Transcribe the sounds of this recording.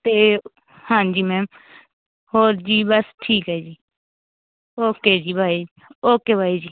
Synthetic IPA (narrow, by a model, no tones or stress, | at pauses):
t̪eː | hãːd͡ʒiːmɛːm | hoːɾd͡ʒiːbəsʈʰiːkɦɛːd͡ʒiː | oːkeːd͡ʒiːbʱaːi | oːkeːbʱaːid͡ʒiː